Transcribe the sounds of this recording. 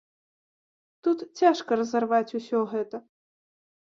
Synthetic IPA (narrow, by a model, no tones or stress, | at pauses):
t̪ut̪t͡sʲaʂkɐɾɐzɐrvat͡sʲusʲɔɣɛt̪ɐ